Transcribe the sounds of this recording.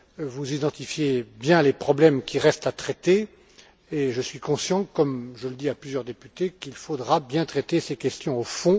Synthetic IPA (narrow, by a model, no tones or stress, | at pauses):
vuzid̪ɑ̃t̪ifjebjɛ̃lepχɔblɛmkʲiʁɛst̪at̪χɛt̪eː | ʒəsɥikɔ̃sjɑ̃kɔmʒələd̪iaplyzjœʁd̪epyt̪ekilfod̪ʁabjɛ̃t̪χɛt̪esekʲɛst̪jɔ̃ofɔ̃